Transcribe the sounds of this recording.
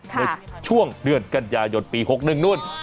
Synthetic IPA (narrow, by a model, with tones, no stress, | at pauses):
naː˧jt͡ɕʰu˥˩əŋdɯ˨˧˩ənka˧njaː˧jo˧npiː˧ho˧˦˥k̚nɯ˨˩ŋnu˥˩əj